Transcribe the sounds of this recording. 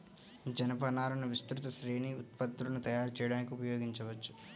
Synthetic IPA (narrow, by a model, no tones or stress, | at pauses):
d͡ʒɐnɐpɐnaːɾunuʋist̪ɾut̪ɐʃɾiːɳiut̪̚pɐt̪ːɾunut̪ɐjaːɾut͡ʃɛːjɐɽaːnikiupɐjo̞ːɡiɲt͡ʃɐʋɐt͡ʃːu̥